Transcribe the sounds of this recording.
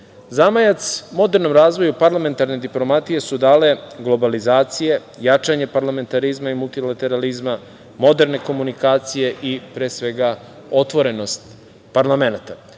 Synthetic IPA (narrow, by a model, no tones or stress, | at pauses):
zamajat̪smo̞d̪e̞ɾno̞mɾaːzʋo̞jupaɾlˠame̞nt̪aɾne̞d̪iplˠo̞mat̪ije̞sud̪aːle̞ɡlˠo̞balizaːt̪sije̞ | jat͡ʃaɲe̞paɾlame̞nt̪aɾizmaimulˠt̪ilˠat̪e̞ɾalizma | mo̞d̪eɾne̞ko̞munikaːt̪sije̞ʔipɾeːsʋe̞ɡa | o̞t̪ʋo̞ɾe̞no̞st̪ | paɾlˠamenat̪a